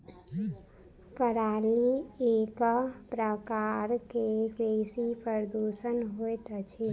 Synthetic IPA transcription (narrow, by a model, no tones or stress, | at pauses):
pəɾaːlieːkpɾəkaɾkekɾesipəɾəd̪uʃənɦoet̪ət͡ʃʰe